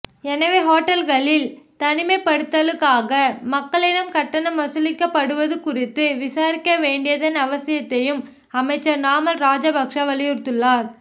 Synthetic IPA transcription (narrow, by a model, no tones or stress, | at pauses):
ɛnɐʋeːɦoːʈːɐlɣɐɭɪlt̪ɐnɪmɐɪpːɐɽɯt̪ːɐlɯkːaːɣɐmɐkːɐɭɪɽɐmkɐʈːɐnɐmːɐsɯlɪkːɐpːɐɽɯʋɐðɯkʊrɪt̪ːɯʋɪsaːɾɪkːɐʋeːɳɖɪjɐðɐnɐʋɐsɪjɐt̪ːɐjɯm | ɐmɐɪt͡ʃːɐɾnaːmɐlɾaːd͡ʒɐbɐkʂɐʋɐlɪjɯɾt̪ɯɭːaːɾ